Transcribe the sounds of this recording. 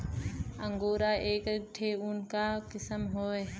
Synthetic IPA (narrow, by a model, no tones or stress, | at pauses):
ə̃ŋɡoːɾaʔeːkk̚ʈʰeʊnkakɪsəmɦoːeː